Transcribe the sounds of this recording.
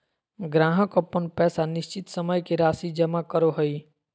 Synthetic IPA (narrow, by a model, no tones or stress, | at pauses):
ɡɾãːɦəkəpːənpɛːsanɪʃt͡ʃɪt̪səməjkiɾaːsid͡ʒɐmakəɾoɦəi